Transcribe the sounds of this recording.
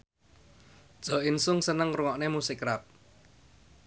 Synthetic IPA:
d̥ʒ̥ɔ̤ɪnsʊŋsənəŋruŋɔʔnemusɪkɾap̚

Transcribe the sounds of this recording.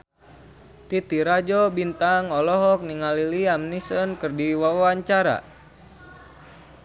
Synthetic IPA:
t̪it̪iɾad͡ʒɔbint̪aŋɔlɔɦɔk̚niŋaliliamnisənkɨrdiwawaɲt͡ʃaɾa̰

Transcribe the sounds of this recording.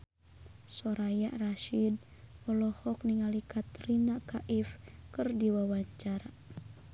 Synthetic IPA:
sɔɾajaʔraʃid̚ | ɔlɔhɔk̚niŋalikat̪ɾinakaʔifkɨrdiwawaɲt͡ʃaɾa

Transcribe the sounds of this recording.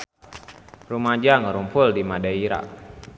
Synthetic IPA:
rumad͡ʒaŋəɾumpʊldimadaiɾa̰k̚

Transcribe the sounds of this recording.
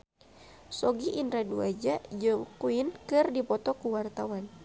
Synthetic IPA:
sɔɡiʔindɾaduad͡ʒad͡ʒɨŋkuinkɨrdipɔt̪ɔkuwart̪awan

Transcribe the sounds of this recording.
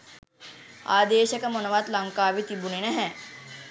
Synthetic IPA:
aːd̪eːʃɐkɐmonɐʋaːt̪lɐŋkaːʋit̪ibuninɐɦɛ̃

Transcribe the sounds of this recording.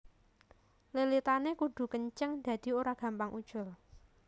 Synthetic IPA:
lelit̪anekuɖ̥ṳkəɲt͡ʃəŋd̪̥a̤d̪̥i̤oɾaɡ̥ä̤mpaŋʔud̥ʒ̥ʊ̤l

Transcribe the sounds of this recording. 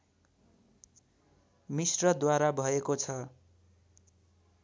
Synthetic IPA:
misrʌd̪waɾabʱʌekot͡sʰʌ

